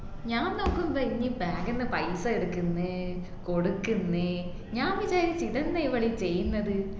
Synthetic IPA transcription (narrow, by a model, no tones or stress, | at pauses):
ɲaːnnokːɯmbɐiɲːipeːɡɐnːɐpɐjsaːɪɾɯkːɯnːɯ | koɽɯkːɯnːɯ | ɲaːmʋit͡ɕaːɾisiðɐnd̪ɐjʋɐɭit͡ɕejːɯnːɐðɯ